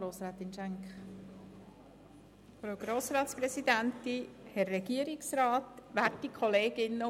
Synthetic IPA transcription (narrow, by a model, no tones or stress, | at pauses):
ɾoːsɾaːt̪ɪnʃɛŋkχ | fɾawɡ̥ɾoːsɾɑːt̪sprɛsid̪ænt̪ihɛrːɛɡiəɾɪksɾɑːt̪ʋærtikχɔleːɡ̥ɪnːə